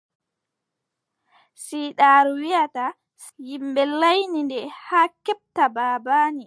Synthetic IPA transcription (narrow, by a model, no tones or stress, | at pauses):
siːɗaːɾuwijata | jimbɛlːajnindɛhaːkɛp̚tabaːbaːni